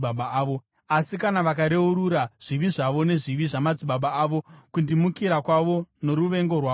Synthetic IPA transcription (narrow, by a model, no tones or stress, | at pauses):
aɓaːʋo | asikanaʋakaɾe̞uɾuɾaʐ̥iʋiʐaʋo̞ne̞ʐiʋiʐamad͡ziɓaɓaːʋo̞kundimukiɾakwaʋo̞no̞ɾuʋe̞ŋɡo̞rwaː